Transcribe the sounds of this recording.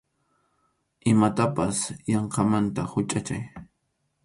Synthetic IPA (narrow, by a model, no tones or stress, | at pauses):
ʔɪmat̪apasjɑɴqɑmant̪ahʊt͡ʃʼat͡ʃa̰j